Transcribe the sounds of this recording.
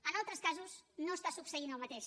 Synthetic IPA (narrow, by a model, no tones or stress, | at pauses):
ənalˠt̪ɾəskazuznoəst̪asupsəinəlˠmət̪eʃ